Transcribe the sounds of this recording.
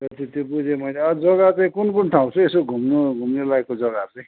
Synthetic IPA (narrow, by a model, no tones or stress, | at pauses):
et̪it̪jobud͡zʱemʌjleʌd͡zʌɡat͡saĩkunkunʈʰaw̃t͡sʰʌesoɡʱumnoɡʱumnelaekːod͡zʌɡat͡saĩ